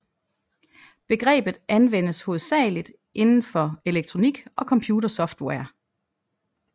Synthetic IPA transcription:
b̥e̝ɡ̥ʁɛ̰ːb̥ð̩ˠʔænʋen̰əsho̝ːð̞̩ˠsɛ̰ːlid̥ | ʔe̝nn̩fɒ̽e̝leɡ̥̚t͡sʰʁo̝niɡ̥ʔɒ̽kʰɒ̽mpʰjuːɾɐsɒ̽fd̥wɛɐ̰

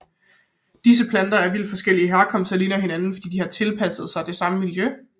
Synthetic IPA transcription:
d̥is̬əpʰlænd̥ɐæɐʋil̰d̥fɒ̽sɡ̥el̰iəɦæɐkʰɒ̽m̰sd̥ɐliːnɐɦe̝nænn̩fɒ̽d̥ḭːd̥ihɑ̈t͡sʰe̝lpʰæsð̞̩ˠsɑɪd̥e̝sɑ̈məmiljø

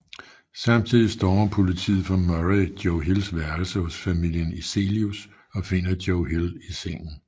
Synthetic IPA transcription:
sɑ̈m̰t͡sʰið̰ˠisd̥ɒːɐpʰo̝lit͡sʰḭːð̩ˠfɒ̽mɒʁid̥joʊɦilsʋæɐlsəhɔsfæmil̰jənise̝̰ːlius | ɒ̽fe̝n̰ɐd̥joʊɦiliseŋ̰n̩

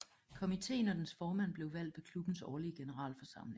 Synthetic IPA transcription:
kʰo̝mit͡sʰe̝̰ːnɒd̥ensfɒːmæn̰b̥le̝ʊʋæl̰d̥ʋe̝kʰlub̥n̩sɒːliəɡ̥e̝nəʁɑ̰̈ːlfɒ̽sɑ̈m̰le̝ŋŋ

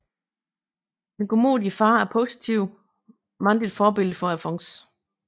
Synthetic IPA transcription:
d̥enɡ̥ʰomo̰ːdˠifɑ̈ːæɐpʰo̝ːsit͡sʰiʊ̰ | mɑ̈nd̥id̥fɒːb̥e̝l̰d̥əfɒ̽æfɒ̽ŋs

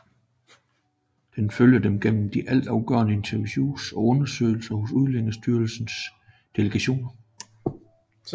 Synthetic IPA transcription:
d̥enføljəd̥emɡ̥en̰m̩d̥iʔæl̰d̥ɑ̈ʊɡ̥œ̰ːɐnəe̝nt͡sʰɐʋiɕṵːsɒ̽ɔ̽nɐsø̰ːɪl̩sɐhosuðˠleŋɐsd̥yːɐl̩sn̩s | d̥e̝ləɡ̥æɕo̝̰ːnɐ

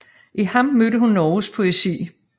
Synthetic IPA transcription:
ʔihɑ̈mmødəɦunːɒːuspʰo̝esḭː

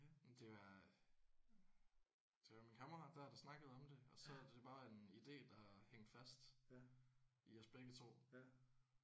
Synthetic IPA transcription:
mnd̥e̝ʋɑ̈ | d̥e̝ʋɑ̈minkʰɑmɐʁɑ̈d̥æɐd̥ɑ̈snɑ̈ɡ̥əð̞̩ˠɒ̽md̥e̝ɒ̽sɒ̽d̥e̝b̥ɑ̈ːɑe̝nid̥e̝̰ːd̥ɑ̈heŋ̰d̥fæsd̥ | iɒsb̥eɡ̥ət͡sʰo̝̰ː

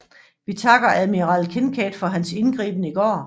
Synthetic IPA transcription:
ʋit͡sʰɑ̈ɡ̥ɐæðˠmiʁɑ̈lkʰenkʰɛ̰ːd̥fɒ̽ɦænse̝nɡ̥ʁḭːb̥ən̩əiɡ̥ɒ̰ː

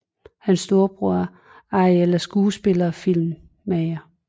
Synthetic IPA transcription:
hænsːd̥o̝ːɐb̥ʁuɐ | ɑelɐsɡ̥uːsb̥e̝lɐfil̰mː | æɪɐ

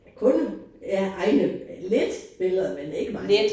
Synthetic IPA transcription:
kʰɔ̽næʔɑ̈ɪnəled̥b̥e̝lˠɐmene̝ɡ̥əmɑ̥̈

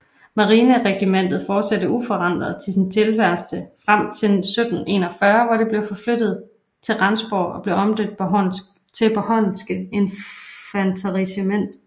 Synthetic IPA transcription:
mɑ̈ʁiːnəʁɛɡ̥imen̰d̥ð̩ˠfɒːd̥sædəufɒ̽ʁɑn̰d̥ʁɐðˠt͡sʰe̝sint͡sʰe̝lʋæɐ̰sd̥əfʁam̰t͡sʰe̝lsød̥n̩e̝̰ːnɒ̽fɶɐʋɑɾ̥e̝b̥le̝ʊfɒ̽flød̥ð̞̩ˠ | t͡sʰe̝lʁɑnsb̥ɒ̰ːɒ̽b̥le̝ʊɒ̽md̥ød̥̚pʰ | t͡sʰe̝pʰɒhɒnsɡ̥əe̝nfænt͡sʰɑʁisəmen̰d̥

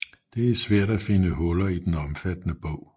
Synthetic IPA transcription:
d̥e̝æɐsʋæɐ̰ɾ̥æfe̝nəɦɔ̽lɐid̥enɒ̽mfæd̥ənəb̥ɔʊ̰

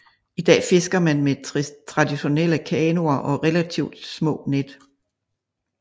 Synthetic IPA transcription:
id̥ɛ̰ːfe̝sɡ̥ɐmænmet͡sʰʁɑ̈d̥iɕo̝nel̰əkʰɛːno̝ɐʔɒ̽ʁɛlæt͡sʰiʊd̥smɔ̰̽ːned̥

